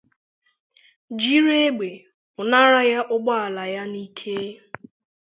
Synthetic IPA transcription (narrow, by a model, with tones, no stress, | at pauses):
d͡ʒi˦ɾe˦e˦ɡ͡be˨ | ʊ˨na˦ɾa˦ja˦ʔʊ˦ɡ͡bɔ˦a˨la˨ja˦ni˦kʰe˦